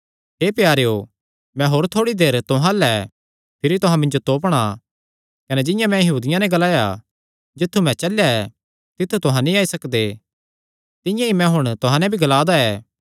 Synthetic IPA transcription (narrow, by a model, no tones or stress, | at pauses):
ɦeːpjaːɾejoː | mɛ̃ɦoːɾt̪ʰoːɽid̪eːɾt̪ʊɦãlɛ | pʰɪɾit̪ʊɦãmɪ̃nd͡ʒot̪oːp̬ɽ̃a | kɐnɛd͡ʒɪ̃jãmɛ̃jɐɦuːd̪ɪjãnɛɡɐlaːja̰ | d͡ʒɪt̪ʰːumɛ̃t͡ʃɐljaɛ | t̪ɪt̪ʰːut̪ʊɦãnĩaːisɐkd̪e | t̪ɪ̃jãimɛ̃ɦʊɽ̃t̪ʊɦãnɛ̃bʱiɡɐlaːd̪aɛː